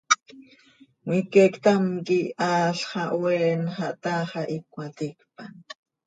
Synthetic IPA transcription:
wwikekt̪amkiʔaːɬχaʔweːnχaʔt̪aːχɑʔikwat̪ikpan

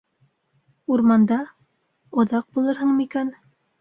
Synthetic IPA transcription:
uɾmɑnd̪ɑ | ŏðɑq̚bulˠɤɾɦɤɴmikæn

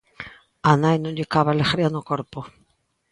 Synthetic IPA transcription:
anajnoʎekaβalexɾjanokoɾpo

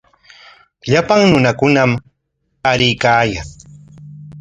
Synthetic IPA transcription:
ʎapaŋnʊnakʊnam | aɾɪjkaːjaŋ

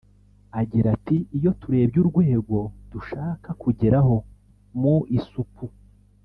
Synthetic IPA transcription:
aɟiɾatiːjotuɾe̞ːbɟuːɾɡwe̞ːɾɡwo̞d̥uʃaːkakʰuɟeɾaɦo̞ | muʔisupu

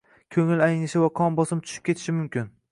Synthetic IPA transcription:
kʲʰoŋɪlajɪnɪʃɪvaqʰɒnbɒsɪmt̪ʰʊ̥ʃɪp̚kʲʰe̞t̪ʰɪ̥ʃɪmʊmkʲɪn

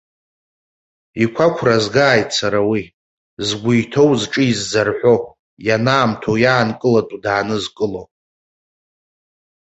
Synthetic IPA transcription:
ikʷʰakʷʰrazɡaːjtʰʼt͡sʰaɾawi | zɡʷujtʰo̞wzʈ͡ʂʼɨizːarħʷᶣo̞ | janaːmtʰojaːnkʼɨlatʼudaːnɨzkʼɨlo

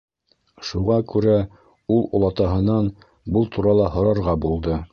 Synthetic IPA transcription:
ʃuʁɑkʉɾæ | ulˠŏ̰lˠɑt̪ɑɦɤ̆nɑn | bɤlˠt̪ʰuɾɑlˠɑɦŏɾɑɾʁɑbulˠd̪ɤ

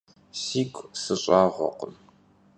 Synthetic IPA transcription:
siːkʷʰʼsɨɕʼɑːʁʷɔ̰qə̰n

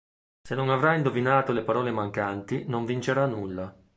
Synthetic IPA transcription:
senːonavɾaind̪ovinaːt̪olepaɾɔːlemaŋkant̪inoɱvint͡ʃeɾanːulːa

